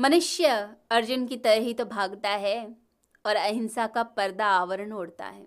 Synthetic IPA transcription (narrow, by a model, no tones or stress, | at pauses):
mɐnʊʃjəɐɾd͡ʒʊnkit̪ɐɾəɦit̪obʱaːɡt̪aɦɛ | ɔːɾɐɦɪnsakapɐɾd̪aːʋəɾəɳɦoːɽt̪a̰ɦɛː